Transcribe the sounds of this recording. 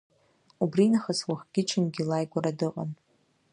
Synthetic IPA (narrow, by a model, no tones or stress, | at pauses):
ubrinaχaswaχɡ̥ʲɪt͡ʃʰɪnɡʲilajɡʷaɾadɨqʼa̰n